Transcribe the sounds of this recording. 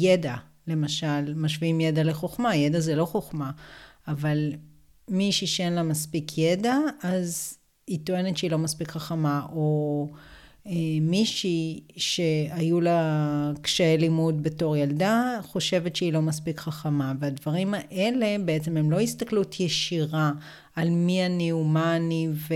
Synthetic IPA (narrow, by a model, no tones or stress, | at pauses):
jeda | le̞maʃalmaʃviimjedaleχoχmajedazelo̞χoχmaːval | miʃiʃeenlamaspikʰjedaaz | hit̪oe̞netʃeilo̞maspikχaχamaʔo | emiʃiʃe̞ajulakʃeelimudbe̞to̞ʁjaldaχo̞ʃe̞vetʃeilo̞maspikχaχamaveadvaʁimaʔe̞le̞be̞et͡sememlo̞ist̪aklutʰjeʃiʁaː | lmianiumaːniv